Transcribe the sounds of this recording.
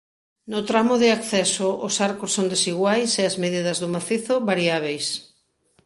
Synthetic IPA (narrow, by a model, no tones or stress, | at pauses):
nʊt̪ɾamoðɪakθɛsoʔosaɾkosːond̪esiɣwajseɐzmeðiðɐzðʊmaθiθoβaɾiaβ̞ejs